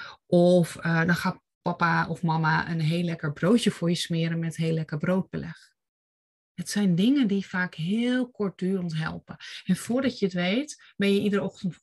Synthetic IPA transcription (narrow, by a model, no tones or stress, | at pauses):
ʔɔfədɔnxaː | pɔpaɔfmamaʔə̰nɦeːlɛkəɹbroːtjəfʊɹjəsmɪəɾəmɛtɦeːlɛkəɹbroːt̚b̥əlɛ̰x | ətsɛjndɪŋəndifaːkɦɪːlˠkɔɹt̚d̥yːrəntɦɛ̰lˠpəʔɛnfʊːɹdɑtjəətʋeːt | bɛnjəidərɔxtənt